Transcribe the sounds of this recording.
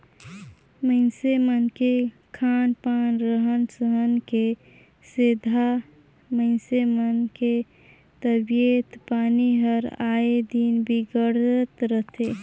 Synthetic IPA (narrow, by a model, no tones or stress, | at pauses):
məɪnsemənke | kʰanpanɾəɦənsəɦənke | sed̪ʱa | məɪnsemənke | t̪əbijet̪paːniɦəɾaed̪inbʱiɡəɽət̪ɾət̪ʰe